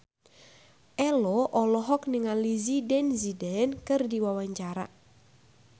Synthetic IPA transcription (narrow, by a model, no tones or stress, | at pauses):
ʔɛlɔʔɔlɔɦɔk̚niŋalizidɛnzidɛnkɨrdiwawaɲt͡ʃaɾa̰